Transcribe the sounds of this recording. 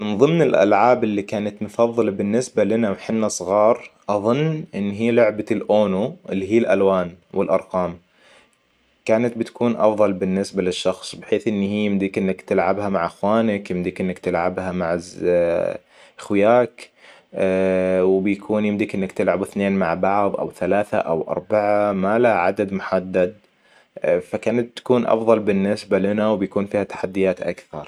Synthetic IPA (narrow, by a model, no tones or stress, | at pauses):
mɪnðˤɨmnɪlʔa̰lʕaːbɪlːikaːnat̪mʊfɑðˤːɨlbɪnːɪsbalɪnawħɪnːasˤɣɑːɾˤʔɑðˤʊnːʔɪnːɦiːlʊʕbalʔoːnuʔɪlːiɦiːlʔalwaːnwɪlʔɑ̰ɾˤqɑːm | kaːnat̪̚bɪt̪ḁkʰuːnʔɑ̰fðˤɑlbɪnːɪsbalɪʃːɑxsˤbɪħeːθʔɪnːihijɪmd̪ikʔɪnːakt̪ɪlʕabhamaʕʔaxwaːnakjɪmd̪ikʔɪnːakt̪ɪlʕa̰bhamaʕz | ʔaxwɪjaːk | wɪbjakʰuːnjɪmd̪ikʔɪnːakt̪ɪlʕabɪθneːnmaʕbɑʕðˤʔa̰wθalaːθa̰ʔa̰wʔɑ̰ɾˤbaʕamalaʕad̪ad̪mʊħad̪ːad̪̚ | fakaːnat̪̚t̪ḁkuːnʔɑ̰fðˤɑlbɪnːɪsbalɪnawbjakuːnfiːhat̪ḁħad̪ːɪjaːt̪ʔa̰kθɑɾˤ